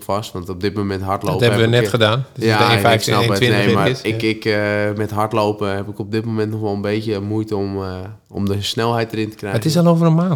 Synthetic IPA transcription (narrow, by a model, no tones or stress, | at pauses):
fastʋɑntop̚dɪt̚momɛntɦaɹtloːtɛəənɛxədaːndjafɛjsnɛlˠɪnemaɪɪkmɛtɦartlowpəɦɛpɪkɔp̚dɪt̚momɛntnɔxʋolˠənbeːtjəmujtəɔm | ɔ̰mdəsnɛlˠɦɛjt̚dərɪntə̥krɛətɪs̬ɛlowvərənmaːnt